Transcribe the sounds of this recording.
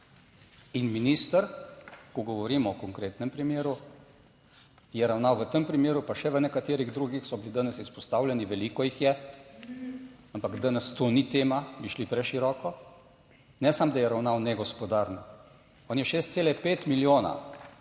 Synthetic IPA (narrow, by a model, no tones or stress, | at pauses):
inminist̪əɾkɔɡɔʋɔɾiːmɔɔkɔŋkɾeːt̪nɛmpɾimeːɾu | jɛɾawnawʋət̪əmpɾimeːɾupaʃɛʋənɛkat̪eːɾiɣd̪ɾuɡixsɔbilid̪anɛsispɔst̪aːwlʲjɛniʋɛliːkɔjixjɛ | ampakd̪anɛst̪onit̪eːmabiʃlipɾɛʃiɾɔːkɔ | nɛsamd̪ajɛɾawnawnɛɡɔspɔd̪aːɾnɔ | ɔːnjɛʃeːst̪seːlɛpeːt̪miljoːna̰